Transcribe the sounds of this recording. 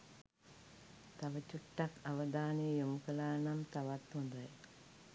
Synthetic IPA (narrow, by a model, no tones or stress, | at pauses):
t̪ɐʋɐt͡ɕuʈːɐkɐʋɐd̪aːnijumkɐlaːɳɐmt̪ɐʋɐt̪ːund̪ɐj